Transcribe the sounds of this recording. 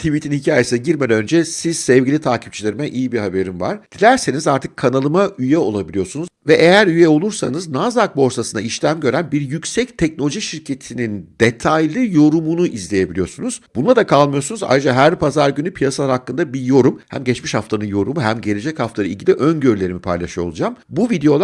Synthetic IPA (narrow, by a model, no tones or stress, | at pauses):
t̪ʰivit̪ʰinhicʰaːjesinɛɟiɾmed̪ɛønd͡ʒɛsiz̥sɛvɟilʲit̪ʰaːcʰi̥p̚t͡ʃʰilʲeɾimɛʔijibihabe̞ɾimva̰ɾ̥d̥̪ilʲæɾse̞nizaɾt̪ʰɯ̥kʰːanalˠɯmaʔyjɛo̞̰lˠabilʲijo̞ɾsunuzvɛʔejæɾyjɛo̞lˠuɾsa̰nɯznazak̚bo̞ɾsasɯna̰iʃlʲæmɟø̞ɾænbiɾjycsɛc̚t̪ʰɛc̚nolʲoʒiʃiɾcʰe̞t̪ʰinind̪et̪ʰajlʲˠɯjo̞ɾumunuʔizlʲe̞je̞bilʲijo̞ɾsunuz̥b̥unˠad̪akʰalˠmɯjo̞sunuza̰jɾɯd͡ʒaɦæɾpʰazaɾɟynypʰijasalˠaɾhakːɯnd̪abijo̞ɾumhæ̰mɟɛt͡ʃmiʃhaft̪ʰanɯnjo̞ɾumuɦæmɟe̞ɾe̞d͡ʒɛchaft̪ʰaɾɯilʲɟʲilʲiʔønɟøɾylʲe̞ɾimipʰa̰jlʲˠaʃɯjo̞̰lˠud͡ʒaːmbuvid̪ejo̞lˠ